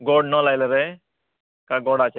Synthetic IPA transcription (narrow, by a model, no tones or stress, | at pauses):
ɡɔɽnɔlajləɾe | kaɡɔɽat͡ʃ